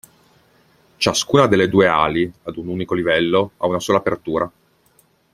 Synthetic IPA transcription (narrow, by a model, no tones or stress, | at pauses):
t͡ʃaskuːnad̪elːed̪uːea̰ːliad̪unuːnikolivɛlːoa̰unasoːlaːpert̪uːɾʔa